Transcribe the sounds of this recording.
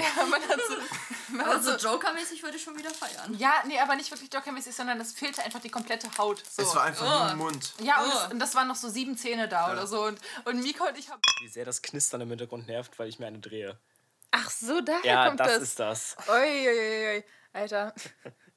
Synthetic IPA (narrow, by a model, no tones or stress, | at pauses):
jaːmanazoːmanazod͡ʒoʊkɐmɛːsɪçvʏɐɾəɪçʃoːnviːdɐfaɪɐ̰njaːneʔaːbɐnɪçtv̥ɪɐklɪçd̥okɐmɛːsɪçz̥ɔndɐndasfeːltəaɪnfaχd̥iːkʰɔmplɛtəhaʊtz̥oːv̥aːaɪfamʊntjaːʊnʊnt̚d̥asvaːʁənːɔχz̥oːziːbm̩t͡seːnədaːʔoːɾɐzoːʊntʔʊntmiːkʰɔʊntɪçhaːbəviːzeːɐɾaskʰnɪstɐnɪmhɪnt̬ɐɡʁʊntnɛɐftv̥aɪlɪçmiɐaɪnədʁeːə | ʔaχz̥oːdaːhjaɛːɐːkɔmtd̥ad̥sasɪstd̥a̰sʔoʏʔoɪʔoʔjoɪ | ʔaltɐ